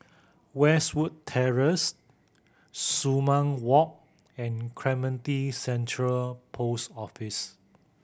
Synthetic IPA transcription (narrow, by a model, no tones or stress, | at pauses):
wɛswud̚tʰɛɹəs | umãŋwɔk̚ | ɛ̃nkʰɹɛmə̃ntisɛ̃ntʰɹəlpʰosɔfis